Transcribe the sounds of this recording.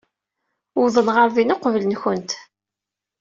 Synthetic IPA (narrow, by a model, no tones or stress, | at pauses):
ʊðˤənʁəɾvinoqvələnçənt̪